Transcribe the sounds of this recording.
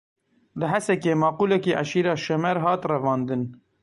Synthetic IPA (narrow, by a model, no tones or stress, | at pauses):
lɨɦæsɛkeːmɑːquːlɛkiːʔaʃiːɾɑːʃɛmɛɾɦɑːt̪rɛvɑːnd̪ɨn